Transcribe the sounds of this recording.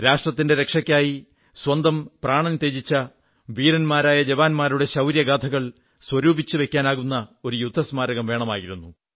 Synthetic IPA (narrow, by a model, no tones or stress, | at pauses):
ɾaːʂʈrɐt̪ːinde̞ɾe̞kʂɐkʲːaːji | swɐnd̪ɐmpraːɳɐnt̪ːe̞ːd͡ʑit͡ɕːɐ | ʋiːɾɐnmaːɾaːjɐd͡ʑɐʋaːnmaːɾuɽe̞ɕɐwɾjɐɡaːt̪ʰɐɣɐɭ | swɐɾuːbʱit͡ɕːɨʋe̞kʲːaːnaːɣunːɐo̞ɾujud̪ʱːɐsmaːɾɐɣɐmʋe̞ːɳɐmaːjiɾunːu